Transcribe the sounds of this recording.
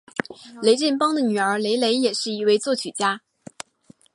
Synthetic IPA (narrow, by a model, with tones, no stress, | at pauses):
le˧˥ɪʈ͡ʂɛ˥˩npɑ˥ŋd̪ə˨ny˨˩ə˞˧˥le˧˥ɪle˧˥ɪjɛ˨˩ʂɻ̩˥˩i˧˥we˥˧ɪt͡swɔ˥˩t͡ɕʰy˨˩t͡ɕja˥